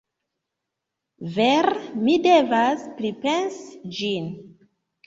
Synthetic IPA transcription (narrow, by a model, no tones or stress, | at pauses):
veɾmide̞vaspɾipe̞nsd͡ʒin